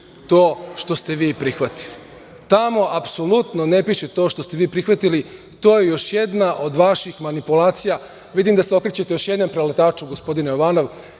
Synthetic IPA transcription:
t̪oːʃt̪o̞st̪e̞ʋiːpɾixʋat̪i̥li | t̪amo̞ʔapsolˠut̪no̞ne̞piʃet̪o̞ːʃt̪o̞st̪eʋiːpɾixʋat̪ili | t̪o̞ːjejo̞ʃje̞d̪naʔo̞d̪ʋaʃixmanipulaːt̪sija | ʋid̪imd̪aseo̞kɾet͡ɕet̪ejo̞ʃje̞d̪nompɾelet̪aːt͡ʃuɡospo̞d̪inejoʋaːno̞ʋ

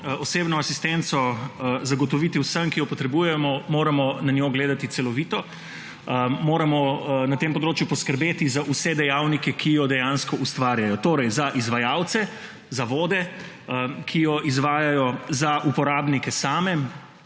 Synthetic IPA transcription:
ɔseːbnɔasist̪ɛnt̪sɔzaɡɔt̪ɔʋit̪iwsəmkijɔpɔt̪ɾɛbujɛmɔmoːɾamɔnanjoɡleːd̪at̪it̪sɛlɔʋit̪ɔ | moːɾamɔnat̪empɔd̪ɾoːt͡ʃjupɔskəɾbeːt̪izaʔusɛd̪ɛjawnikɛkʰijɔd̪ɛjanskɔʔust̪ʋaːɾjajɔt̪oːɾɛjzaʔizʋajawt̪sɛ | zaʋoːd̪ɛ | kʰijɔʔizʋaːjajɔzaʔupɔɾaːbnikɛsaːmɛ

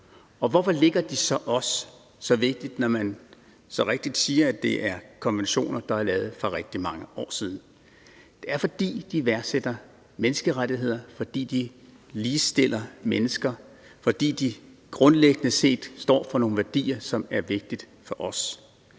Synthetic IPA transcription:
ɒ̽ʋɒfɒ̽le̝ɡ̥ɐd̥isɒ̽ʔɒ̽sː | ɒ̽ʋe̝ɡ̥̚d̥id̥nɒmæn | sɒ̽ʁeɡ̥̚d̥id̥siːɐæd̥e̝ʔæɐkʰɒ̽nʋenɕo̝̰ːnɐd̥ɑ̈æɐlɛːʊð̞̩ˠfʁɒ̽ʁeɡ̥̚d̥imɑ̈ŋəʔɒ̰ːsið̞ˠn̩ | d̥e̝æɐfɒ̽d̥ḭːd̥iʋæɐɡsed̥ɐ | menəsɡ̥əʁad̥iɦe̝ð̞̰ˠɐfɒ̽d̥ḭːd̥i | liːsd̥e̝l̰ɐmenəsɡ̥ɐ | fɒ̽d̥ḭːd̥iɡ̥ʁɔ̽nleɡ̥ənəse̝̰ːd̥sd̥ɒ̰ːfɒ̽no̝ːn̩ʋæɐd̥ḭːɐsɒ̽mæɐʋe̝ɡ̥̚d̥id̥ | fɒʔɒ̽s

